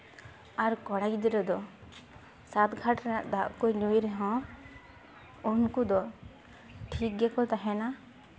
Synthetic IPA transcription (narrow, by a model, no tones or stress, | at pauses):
aɾkɔɽakd̪ɛɾɔd̪ɔ | sat̪ɡʱaʈanaʔd̪aʔkɔjnujɾɛɦɔ̃ | unkud̪ɔ | ʈʰik̚ɡɛkɔt̪aɦɛna